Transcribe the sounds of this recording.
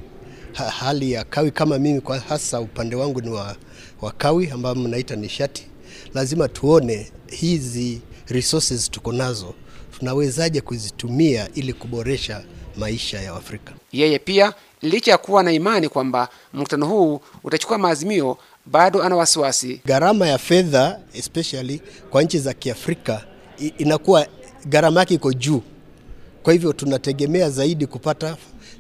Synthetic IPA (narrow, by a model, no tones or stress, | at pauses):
ahalijakawikamamimikahasaupandɛwaŋɡuniwa | wakawiambaɔm̩naitaniʃatʰi̥ | lazimatʰuɔnɛhiziɾisusizitukɔnazɔ | tunawɛzaʄɛkuzitumiaʔilikuɓɔɾɛʃamaiʃajawafɾikḁjɛjɛpia | lit͡ʃajakuwanaimanikwamba | m̩ku̥tanɔhuːutat͡ʃu̥kuamaːzimiɔ | ɓaɗɔanawasiwasḭɡaɾamajafɛðaɛspɛʃalikwaɲ̩t͡ʃizakiafɾika | inakuwa | ɣaɾamajakɛikɔʄuː | kwahivjɔtunatɛɠɛmɛazaiɗikupata